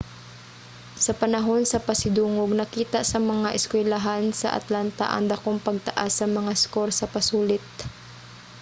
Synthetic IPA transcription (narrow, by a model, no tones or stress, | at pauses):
sɐpɐnɐɦo̞nsɐpɐsɪd̪uːŋoɡ̚nɐkiːt̪aʔsɐmɐŋaʔɛskwɛlaɦansɐ̰ʔɐ̰t̪lant̪a̰ʔɐ̰ŋd̪ɐkoŋpɐɡ̚t̪ɐʔasːɐmɐŋaskoɾsɐpɐsuːlɪt̪̚